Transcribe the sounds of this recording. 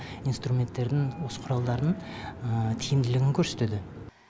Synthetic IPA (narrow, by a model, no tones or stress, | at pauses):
ijnst̪ɾumʲe̞nt̪ːe̞ɾd̪ɪŋwo̞sə̥qʰʊɾɑlˠd̪ɑɾd̪ə | t̪ʰijɪmd̪ɪlɪɡʲɪŋkʲʰɵɾse̞̥t̪ed̪ɪ